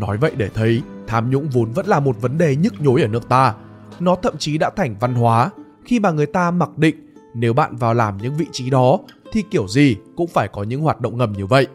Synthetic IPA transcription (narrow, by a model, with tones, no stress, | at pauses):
nɔ˨˦jvə̰˧˨jɗe˧˩t̪ʰə˨˦jt̪ʰaː˨˦mɲʊ̰˧˥ŋ͡mvo˨˦nvə̰˧˥nlaː˨˩mo˨˩t̚və˨˦nɗe˨˩ɲɨ˦˥k̚ɲo˨˦jʔəː˧˩nɨ˦˥ək̚t̪aː˧ | nɔ˨˦t̪ʰə̰˧˨mt͡ɕi˨˦ɗa̰ː˧˥t̪ʰɛ˨˩jŋ̟va˧nɦwaː˨˦ | xi˧maː˨˩ŋɨ˨˩əjt̪aː˧ma˨˩k̚ɗḭ̈˧˨ŋ̟ne˨˦wɓa̰ː˧˨nvaː˨˩wlaː˨˩mɲɨ̰˧˥ŋvḭ˧˨t͡ɕi˨˦ɗɔ˨˦t̪ʰi˨˩ki˧˩əwzi˨˩kʊ̰˧˥ŋ͡mfaː˧˩jkɔ˨˦ɲɨ̰˧˥ŋɦwaː˨˩t̚ɗə̰˧˨ŋ͡mŋə˨˩mɲɨ˧və̰˧˨jʔ